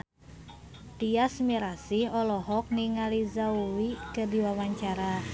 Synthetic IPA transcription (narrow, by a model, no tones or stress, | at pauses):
t̪iasmiɾasihɔlɔɦɔk̚niŋalizauwikərdiwawaɲt͡ʃaɾa